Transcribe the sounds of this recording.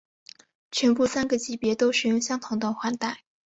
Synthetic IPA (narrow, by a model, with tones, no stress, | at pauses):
ʈ͡ʂʰɥɛ˧˥nfu˥˩sa˥nɡə˨t͡ɕi˧˥pjɛ˧˥t̪o˥ʊʂɻ̩˨˩jʊ˥˧ŋɕjɑ˥ŋt̪ʰʊ˧˥ŋt̪ə˥˧˩xwa˥nt̪a˥˩ɪ